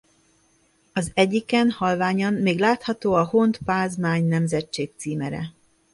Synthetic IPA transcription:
ɒzɛɟːikɛnhɒlvaːɲɒnːeːɡlaːt̪hɒt̪oːɒhont̪paːzmaːɲnɛmzɛt͡ʃːeːk̚t̪siːmɛɾɛ̰

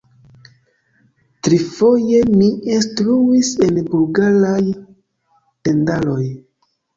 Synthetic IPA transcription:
tɾifo̞je̞miinstɾuise̞nbulɡaɾaj | te̞ndalo̞j

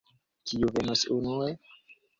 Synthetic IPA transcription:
kiuvenosunue

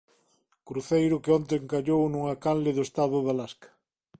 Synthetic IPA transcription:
kɾuθejɾʊkeɔnt̪eŋkaʎownuŋakanlɪðʊest̪aðʊðalaskɐ̥

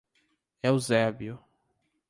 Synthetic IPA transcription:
ɛʊzɛbiʊ

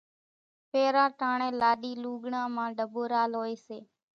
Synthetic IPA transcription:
peːɾãːʈaːɳẽːlaːɗiːluːɠɳãːmãːɖəboːɾaːlɦoːeːseː

